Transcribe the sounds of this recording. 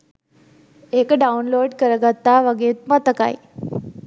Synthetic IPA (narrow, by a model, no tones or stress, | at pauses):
ekəɖaunloːɖkəɾəɡat̪ːaʋəɡeːt̪̚mat̪əka̰j